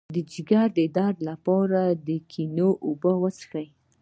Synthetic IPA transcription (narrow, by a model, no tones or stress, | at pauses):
d̪əd͡ʒiɡaɾd̪əɪd̪ɑɾlapɑɾad̪əkʰinoʔobəwət͡sxaj